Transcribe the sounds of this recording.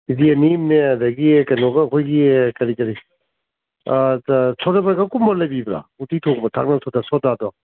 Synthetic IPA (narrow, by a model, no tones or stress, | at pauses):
idianimneɐdɐɡikɐnɔɡɐːkʰojɡikɐɾikɐɾi | sʰɔtabɾaɡakumbɔlɐjbibɾa̰utitʰokbɐtʰa̰k̚nasʰɔdasɔtadɔ